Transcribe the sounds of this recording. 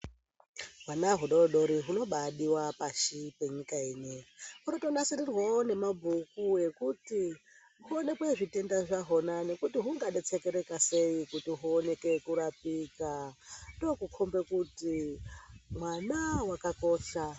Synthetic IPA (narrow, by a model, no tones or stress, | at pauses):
ɦwanaɦuɗooɗo̞ɾiɦuno̞ɓaɗiwapaʃipe̞ɲikaiːneɦunotonasirirwone̞mabʱukue̞kuti | ɦuone̞kweʐite̞ndaʐaɦo̞nane̞kutiɦuŋɡaɗet͡sekeɾe̞kase̞ikutiɦuone̞ke̞kuɾapikato̞kukʰombe̞kuti | mwanawakako̞ːʃa